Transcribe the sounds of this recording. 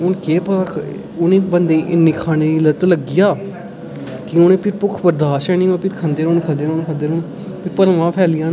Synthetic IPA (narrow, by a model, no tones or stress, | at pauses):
ʊnkeːpəa | ʊnẽːbənd̪eːʔɪnːiːkʰaːneːiːlət̪ləɡɪjaː | kɪʊneːpʰɪɾpʊkʰbəɾd̪aːʃɛːnĩːoːpɪɾkʰə̃nd̪eːɾoːnkʰənd̪eːnoːnkʰəd̪eːɾoːn | pɪɾpəlʋãːpʰɛːlɪjãː